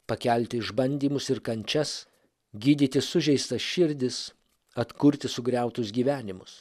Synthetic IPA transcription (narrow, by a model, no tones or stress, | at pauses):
pɐkʲɛˑlʲt̪ʲɪɪʒbɐnʲd̪ʲiːmʊsɪɾkɐnʲt͡ʃʲɛs | ɡʲiːd̪ʲiːt̪ʲɪsʊʒʲɛɪst̪ɐsʃʲɪɾʲd̪ʲɪs | ɐt̪kʊɾʲt̪ʲɪsʊɡɾʲæˑʊt̪ʊs̬ɡʲiːʋʲæːnʲɪmʊs